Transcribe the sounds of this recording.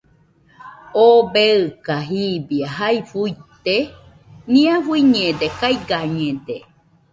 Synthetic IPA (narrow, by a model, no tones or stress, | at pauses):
obeɨkaɦibiaɦaifujt̪e | nĩãfuiɲẽd̪ekaiɡaɲẽd̪e